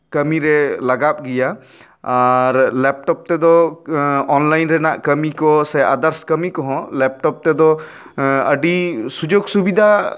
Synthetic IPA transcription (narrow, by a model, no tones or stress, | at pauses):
kəmiɾɛlaɡap̚ɡija | aɾlɛp̚ʈɔp̚t̪ɛd̪ɔ | ɔnlajnɾɛnaʔkəmikɔsɛa̰d̪əɾskəmikɔɦɔ̃lɛp̚ʈɔp̚t̪ɛd̪ɔ | əɖisud͡ʒoɡsubid̪ʱa